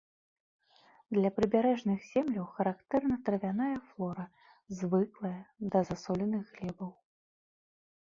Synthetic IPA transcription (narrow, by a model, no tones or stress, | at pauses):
d̪lʲɐpɾɨbʲaɾɛʐnɨxz̥ʲɛmlʲɐwxɐɾakt̪ɛrnɐt̪ɾɐvʲan̪ajɐflˠɔɾɐ | zvɨklˠɐjɐd̪ɐzasɔlʲɛnɨɣɣlʲɛbɐw